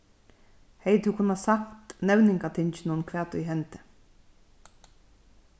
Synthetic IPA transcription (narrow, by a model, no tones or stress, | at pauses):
hɛjt̪ʰukʰʊnːasakt̪nɛwnɪŋkat̪ʰɪnt͡ʃɪnʊnkʰʋɛːt̪ʰʊjɦɛnt̪ə̥